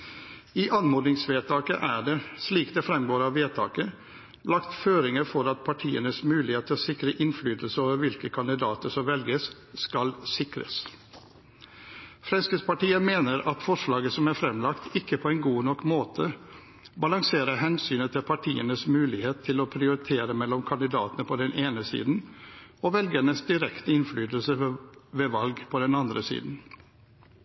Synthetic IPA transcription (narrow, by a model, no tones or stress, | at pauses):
iːʔɑnmoːd̪nɪŋsʋeːt̪ʰɑːkə̰ʔæɖɛsliːkd̪ɛfɾɛmɡoːɾɑʋeːt̪ʰɑ̰ːkə | lɑkt̪føːɾɪŋəɾfɔɾɑt̪̚pʰɑʈʰiːənəsmʉːlɪheːt̪ʰːɪlsɪkɾəʔɪnflyːd̪l̩səoːʋəɾʋɪlkəkʰɑnd̪ɪd̪ɑːt̪əsɔmʋɛlɡəs | skɑlsɪkɾə̰s | fɾɛnskəspɑʈiːəmeːnəɾʔɑt̪fɔʂlɑːɡəsɔmæɾfɾɛmlɑkt̪ʰɪkːəpʰɔɛɪnɡuːnɔkːmoːt̪ʰə | bɑlɑŋseːɾəɦɛnsyːnət̪ʰɪlpʰɑʈʰḭːənəsmʉːlɪheːt̪ʰːɪlɔpʰɾɪʊɾɪt̪ʰeːɾəmɛlːɔmkʰɑnd̪ɪd̪ɑ̰ːt̪ənəpʰɔd̪ɛnʔeːnəsḭːd̪n̩ɔʋɛlɡəɳəsd̪ɪɾɛkt̪əɪnflyːd̪lsəʋɛʋɑlɡpʰɔd̪ɛnɑnd̪ɾəsḭːd̪n̩